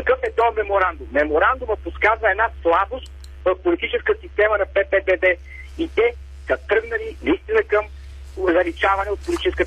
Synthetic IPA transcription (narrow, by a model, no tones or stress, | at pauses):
ɐkɤfɛt̪ɔmɛmoɾand̪ʊmːɛmoɾand̪uməposkazvɐɛd̪naslˠabost̪̚ | vɐfpolit̪it͡ʃɛskəsist̪ɛmənɐpɛpɛb̪ɛd̪ɛ | it̪ɛ | sɐt̪ɾɤɡnɐlinɐist̪inəkɐm | zɐlit͡ʃavɐnɛot̪̚polʲit̪it͡ʃɛskə